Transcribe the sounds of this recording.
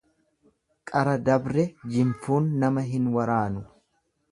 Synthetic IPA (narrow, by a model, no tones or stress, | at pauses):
kʼɐɾɐd̪ɐbɾɛd͡ʒɪmfuːnːɐmɐɦɪnwɐɾaːnʊ